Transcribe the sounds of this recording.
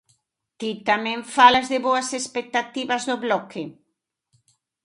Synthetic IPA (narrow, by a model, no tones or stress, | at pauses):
t̪it̪amẽɱfalazðɪβoɐsespek̚t̪at̪iβɐzðʊβlɔke